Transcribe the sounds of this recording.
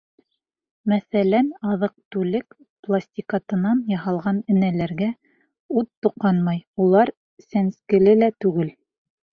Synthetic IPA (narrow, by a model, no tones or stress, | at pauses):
mæθælænɑðɤq̚t̪ʉlɘk | plˠasʲtʲikat̪ɤ̆nɑnjɑɦɑlˠʁɑnɘ̆nælæɾɡæ | ut̪ːuqɑnmɑjulˠɑɾ | sænskɘ̆lɘlæt̪ʉɡɘl